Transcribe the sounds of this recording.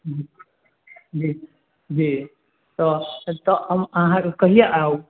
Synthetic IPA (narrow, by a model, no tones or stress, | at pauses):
d͡ʒi | d͡ʒi | d͡ʒi | t̪ɔt̪ɔəməɦãkəɦijaʔao